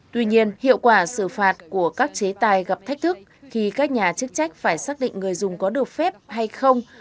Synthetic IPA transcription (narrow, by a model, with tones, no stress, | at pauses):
t̪wi˧ɲi˧ənhḭ˧˨əwkwaː˧˩sɨ˧˩faː˨˩t̚ku˧˩əkaː˦˥k̚t͡ɕe˨˦t̪aː˨˩jɣa˨˩p̚t̪ʰa˦˥k̟̚t̪ʰɨ˦˥k̚xi˧kaː˦˥k̚ɲaː˨˩t͡ɕɨ˦˥k̚t͡ɕa˦˥jk̟̚faː˧˩jsaː˦˥k̚ɗḭ˧˨ŋ̟ŋɨ˨˩əjzʊ˨˩ŋ͡mkɔ˨˦ɗɨ˨˩ək̚fɛ˦˥p̚ha˧jxə˧wŋ͡m